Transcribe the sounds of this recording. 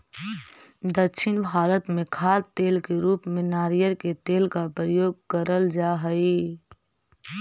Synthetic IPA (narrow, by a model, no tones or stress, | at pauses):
d̪əkʃʰɪnbʱaːɾət̪mẽkʰaːɾt̪eːlkeɾuːpmẽnaːɾijəɾket̪eːlkapɾəjoːɡ̚kəɾəld͡ʒaɦəi